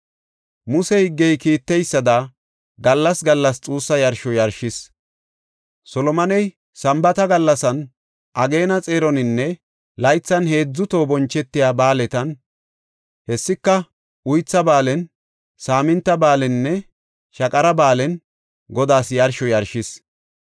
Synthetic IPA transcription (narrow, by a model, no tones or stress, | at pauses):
mʊsɛhɪɡːɛjkiːt̪ːɛjsːɐd̪ɐ | ɡɐlːɐsɡɐlːɐst͡sʼuːsːɐjɐɾʃɔjɐɾʃɪs | sɔlɔmɐnɛj | sɐmbɐt̪ɐɡɐlːɐsɐn | ʔɐɡeːnɐt͡sʼe̞ːɾɔnɪnːɛ | lɐjt͡sːɐnhe̞ːd͡zːʊt̪o̞ːbɔnt͡ʃːɛt̪ːɪjaːbaːlɛt̪ɐn | hɛsːɪkːɐ | ʊjt͡sːɐbaːlɛn | saːmɪnt̪ːɐbaːlɛnːɛ | ʃɐkʼɐɾɐbaːlɛn | ɡɔd̪aːsjɐɾʃɔjɐɾʃɪs